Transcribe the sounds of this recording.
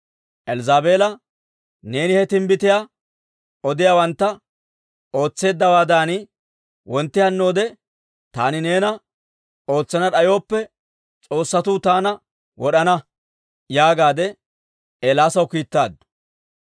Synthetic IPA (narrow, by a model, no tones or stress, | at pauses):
ʔɛlzaːbe̞ːlɐ | ne̞ːnɪhɛt̪ɪmbɪt̪ɪja | ɔd̪ɪjaːwɐnt̪ːɐ | o̞ːt͡sːe̞ːd̪ːɐwaːd̪aːnɪ | wɔnt̪ːɪhɐnːo̞ːd̪ɛ | t̪aːnɪne̞ːnɐ | o̞ːt͡sːɐnɐᶑɐjo̞ːpːɛ | t͡sʼo̞ːsːɐt̪uːt̪aːnɐ | wɔɗɐnɐ | jaːɡaːd̪ɛ | eːlaːsɐwkiːt̪ːaːd̪ː